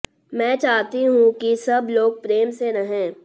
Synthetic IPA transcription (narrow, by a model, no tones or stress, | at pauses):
mɛ̃ːt͡ʃaːɦt̪iɦũkisɐbloːɡ̚pɾeːmseɾɐɦẽː